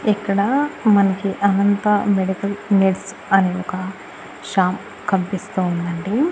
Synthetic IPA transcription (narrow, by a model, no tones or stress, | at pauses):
ɛkːɐɽɐmɐnɐkiʔɐnɐnt̪ɐmeɽikɐlneʈs | ɐneɔkɐ | ʃaːm | kɐmpist̪uːund̪ɐɳɖi